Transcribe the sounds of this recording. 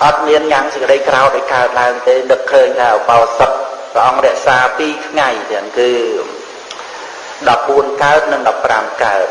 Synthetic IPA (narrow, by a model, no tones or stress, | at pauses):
ʔɑt̪̚miənjaːŋsəkəɗəjkraɔwʔɗaɔjkaət̪̚laəŋt̪eːnɨkʰːəːɲt̪ʰaupawsəp̚prə̆ʔɑŋrɛ̆əʔsaːpiːkʰŋajnɛənkɨː | ɗɑp̚ɓuənkaət̪̚nɨŋɗɑpːramkaət̪̚